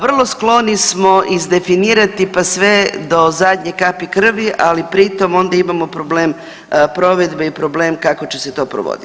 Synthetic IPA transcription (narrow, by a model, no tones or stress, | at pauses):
ʋr̩lˠo̞sklˠo̞nismo̞ʔizd̪e̞finiːɾat̪ipasʋe̞d̪o̞zad̪ɲekapikr̩ʋiʔalipɾit̪o̞mo̞nd̪aimamo̞pɾobleːm | pɾo̞ʋe̞d̪beipɾo̞bleːmkako̞t͡ɕe̞se̞t̪o̞ːpɾo̰ʋo̰d̪i